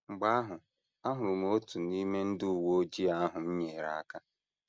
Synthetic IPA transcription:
ŋ͡m̩˨ɡ͡ba˦a˦ɦʊ˨ | a˦ɦʊ˨ɾʊ˨mo˨˦o˦tu˨ni˦me˦n̩˦dʊ˦˨wo˦o˦d͡ʒi˦a˦a˦ɦʊ˨m̩˦ɲe˨ɾa˨a˦ka˦

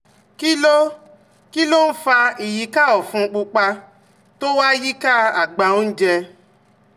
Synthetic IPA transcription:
ki˦lo˦ | ki˦lo˦n̩˦fa˧i˨ji˨˧ka˦˨ɔ˨fũ˧k͡pu˧k͡pa˧ | to˦wa˦ji˦ka˦a˨ɡ͡ba˨o˦n̩˦d͡ʒɛ˧

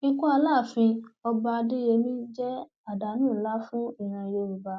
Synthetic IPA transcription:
nĩ˦kũ˦a˧laː˦˨fĩ˧ɔ˧ba˧di˦je˧˦mĩ˦d͡ʒɛ˦ | a˨da˨˦nũː˦˨˦la˦fũ˦i˦˨ɾ̃ã˧˨je˧u˨ba˧˦

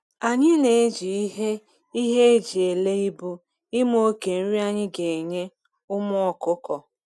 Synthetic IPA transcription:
a˨ɲɪ˦ne˨e˦d͡ʒi˨i˦ɦe˦ | i˦ɦe˦e˦d͡ʒi˨e˨le˦i˦bu˦ | ɪ˦m˦o˦o˦ke˨n̩˦ɾi˦a˦ɲɪ˦ɡe˨e˨ɲe˦ | ʊ˦mʊ˦ɔ˨kʊ˦kɔ˨

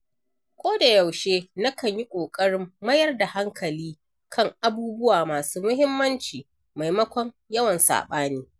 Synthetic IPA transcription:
kʷoː˦da˨jɐ˨wʃeː˦nɐ˦kɐ˨ɲji˦kʷʼoː˨kʼɐ˦ɽɪ˦mːɐ˦jɐ˦rda˨ha˦ŋkʰɐ˨liː˦ | kʰɐ˦˨ŋʔa˦buː˦bʊ˦waː˨maː˨suː˦mʊ˦ɦɪ˦mːɐ˦nt͡ʃiː˨ | ma˨jmɐ˦kʷɔ˦ŋ | jɐ˦wɐ˨nsa̰ː˨ɓaː˦niː˦

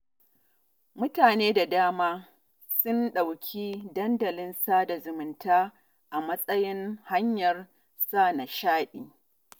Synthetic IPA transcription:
mʊ˦taː˨neː˦da˨daː˦maː˦ | sʊ˦nɗa˨wkʲʰiː˦dɐ˦ndɐ˨lɪ˦nsaː˦da˨zʊ˨mʊ˨ntʰaː˦ | ʔa˨mɐ˦sʼɐ˦jɪ˦nha˦ɲjɐ˨r | saː˦˨na˨ʃaː˦ɗiː˨

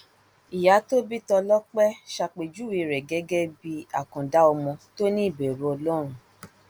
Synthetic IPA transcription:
i˨ja˨˦to˦bi˦tɔ˧lɔ˦k͡pɛ˦ʃa˧k͡pe˨d͡ʒu˦wi˧˨ɾɛ˨ɡɛ˨˦ɡɛ˦bi˧a̰˨kɔ̃˨da˦ɔ˧mɔ̃˧to˦nĩ˦i˦˨be˨ɾo˦ɔ˧lɔ˦ɾ̃ũ˦

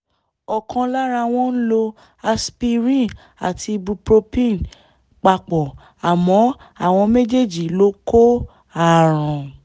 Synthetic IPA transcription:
ɔ˨kʰã˧la˦ɾa˧w̃ɔ̃˦n̩˦lo˧ | a˧spi˧ɾĩ˦˨ | a̰˨tʰi˧bu˧pɾo˧pĩ˦˨n | k͡pa˧k͡pɔ˨ | a˨mɔ̃˨˦ | a˦˨w̃ɔ̃˧me˦d͡ʒe˦˨d͡ʒi˨lo˦ko˦ | a˦˨ɾ̃ɔ̃˨

